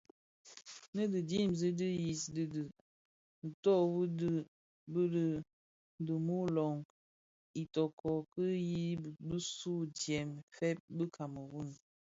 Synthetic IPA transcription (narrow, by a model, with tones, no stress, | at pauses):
nə˦də˨di˦˨mzi˦di˦ji˨sdə˨də˨ | n̩˨tɔ˦˨bu˦də˦ | bə˦ɾə˦ | də˨mo˦lɔ˨ŋ | i˨tɔ˨kʰɔ˨kə˦ji˦bə˦su˦d͡ʒjɛ˨mfɛ˦p̚bə˦kʰa˨mə˨wu˦˨n˨